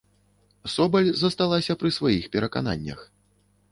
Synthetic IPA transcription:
sɔbɐlʲzɐst̪alˠasʲɐpɾɨsvajixpʲɛɾɐka̰na̰nʲːɐ̰x

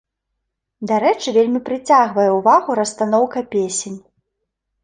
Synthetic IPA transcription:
d̪aɾɛt͡ʂɨvʲelʲmʲipɾɨt͡sʲaɣvɐjɛwvaɣuɾɐst̪anɔwkɐpʲesʲenʲ

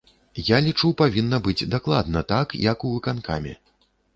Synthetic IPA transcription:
jalʲit͡ʂupavʲinːɐbɨd͡zʲd̪aklˠad̪nɐt̪akjɐkuvɨkanka̰mʲɛ̰

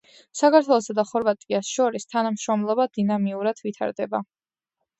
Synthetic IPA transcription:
sakʰaɾt̪ʰwɛlˠɔsad̪aχɔɾvat̪ʼiasʃɔɾist̪ʰanamʃɾɔmlˠɔbad̪̥inamiuɾad̪̥vit̪ʰa̰ɾd̪ɛba

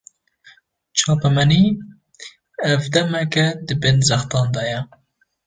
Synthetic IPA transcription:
t͡ʃʰɑːpɛmɛni | ɛvd̪ɛmɛkɛd̪ɨbɪnzæxt̪ɑːnd̪ɑːjɛ

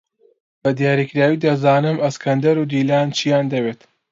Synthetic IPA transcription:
bɐd̪ijaːɾikɨɾaːwiːd̪azaːnɨmɐskɐnd̪ɐɾuːd̪iːlaːnt͡ʃʰijaːnd̪ɐweːt̪

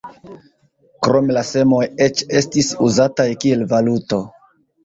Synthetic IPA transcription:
kɾo̞melase̞mo̞je̞t͡ʃe̞stisuzatajkie̞lvaluto̞

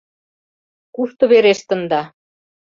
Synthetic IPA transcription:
kuʃt̪ɤ̆βeɾeʃt̪ə̆nd̪ɑ

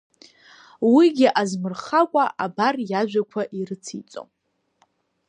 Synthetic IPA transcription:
wiɡʲɪʔazmɨrχakʷʼaʔabarjaʒᶣʷakʷʰaʔiɾɨt͡sʰit͡sʼo̰m

